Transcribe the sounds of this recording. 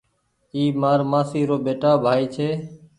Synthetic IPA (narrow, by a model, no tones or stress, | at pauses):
iːmaːɾmaːsiːɾoːɓeːʈaːbʱaːiːt͡ʃʰeː